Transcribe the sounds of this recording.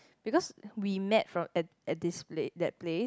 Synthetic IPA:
b̥ikɔswimɛtfɹɔ̃mɛt | ɛt̚displedɛt̚ple

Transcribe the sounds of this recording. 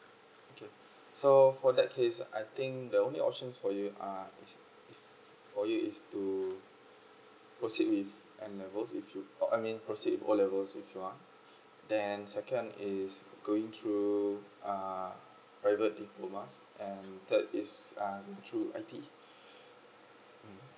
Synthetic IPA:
okʰe | sofɔdɛt̚kʰesa̰jt̪ɪ̃ŋk̚dəõnliɔ̰p̚ʃə̃nsfɔjua | f | fɔjuistu | pɹosit̚wif | ʔɛ̃nlɛvəlsifjuɔʔamĩnpɹosit̚wifɔ̰lɛvəlsifjua | dɛ̃nsɛkə̃nisɡoĩŋt̪ʰɹu | a | pɹaɪvət̚diploməsʔɛ̃ndɛtisanatʰɹuʔa̰ɪti

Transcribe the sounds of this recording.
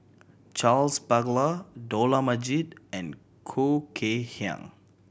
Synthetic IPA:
t͡ʃalspaɡlədolaməd͡ʒidɛ̃n | kʰokʰehã̰ŋ

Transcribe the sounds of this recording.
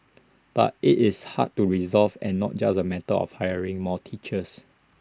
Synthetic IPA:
b̥a̰t̚ɪtɪsha̰d̚tːuɹizɔlvɛ̃nːɔ̰t̚d͡ʒasəmɛtəɔ̰fhaɪəɹɪ̃ŋmɔtʰit͡ʃəs

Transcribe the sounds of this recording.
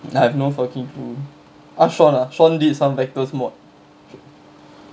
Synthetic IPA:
ajɛvnofəkĩŋtu | ʔaʃɔ̃naʃɔ̃nditsãmvɛk̚təsmɔt̚

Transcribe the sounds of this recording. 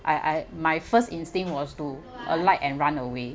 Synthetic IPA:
ʔaɪʔamajfəstĩnstĩŋwɔstu | ʔə̰laɪtɛ̃nɹãnəwe

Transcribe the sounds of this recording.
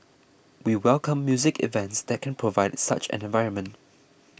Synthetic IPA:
wiwɛlˠkʰə̃mːjuzɪkʰɪ̰vɛ̃ntsðɛt̚kʰɛ̃npʰɹ̥ovaɪdsʌ̰t͡ʃɛ̰̃nɛ̃nvaɪɹə̃nmə̃nt

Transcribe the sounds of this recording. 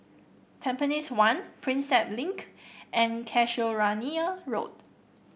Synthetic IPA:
tʰɛ̃mpəniswãnpʰɹĩnsɛtlĩŋkʔɛ̃nkʰɛʃoɹaniəɹo̰t̚

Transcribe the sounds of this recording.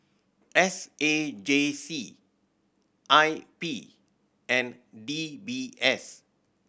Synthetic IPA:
ʔɛsed͡ʒesi | ʔajpi | ɛ̃ndibiɛs

